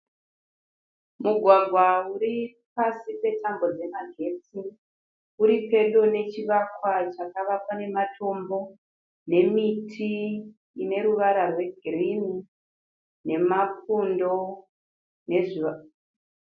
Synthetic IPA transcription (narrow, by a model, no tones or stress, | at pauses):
muɡʱwaɡʱwauɾi | pasipe̞tambo̞d͡ze̞maɡʱe̞t͡si | uɾipe̞ɗo̞ne̞t͡ʃiʋakwat͡ʃakaʋakwane̞matʰo̞mbo̞ | ne̞mitʰi | ine̞ɾuʋaɾarwe̞ɡʱirini | ne̞mafundo̞ | ne̞ʐi